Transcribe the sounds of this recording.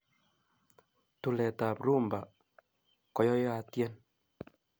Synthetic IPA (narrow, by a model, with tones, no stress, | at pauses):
t̪u˨lɛ˨ta˨pɾu˦˨mba˨ | kɔ˨jɔ˦ja˨tjɛ˦n